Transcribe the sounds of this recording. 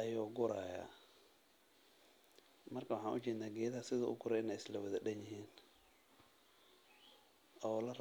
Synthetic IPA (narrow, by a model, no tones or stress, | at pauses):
ʔɐjɔːɡʊɾaːja̰ː | mɐrkʰɐwɑħɑ̃ːnʔʊt͡ʃɛːnaːɡɛːðɐɦɐsɪðʊʔʊ̰ɡʊɾɛɪnɛslɐwɐðɐɗɐnjɪɦiːn | ʔɔːlɐr